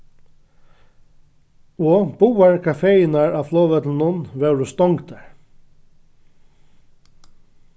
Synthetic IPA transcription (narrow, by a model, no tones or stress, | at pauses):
ɔːb̥uːaɹkʰafeːjɪnaɹaʋflɔːʋœt̪lnʊnʋɛwɾʊst̪ɔŋkd̪aɹ